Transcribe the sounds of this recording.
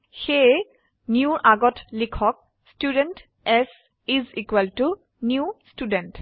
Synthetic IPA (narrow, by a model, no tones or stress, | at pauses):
xe | njuʔaɡɔtlikʰɔk̚ | studɛnt | ɛs | izikwaltu | njustudɛnt